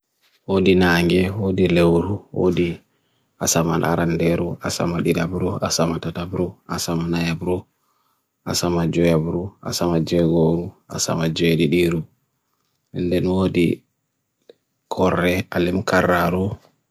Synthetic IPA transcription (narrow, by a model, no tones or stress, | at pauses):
wodinaːŋɡɛwodilewɾuwo̰di | asamanʔa̰ɾandɛɾuʔasa̰maɗidabɾuasamatatabɾuasamanajabɾu | a̰samad͡ʒɔjabɾua̰samad͡ʒɛɡoɾua̰sa̰mad͡ʒeɗiɗiɾu | ɛndɛnwoːdi | kʰɔrːɛalimkaraɾu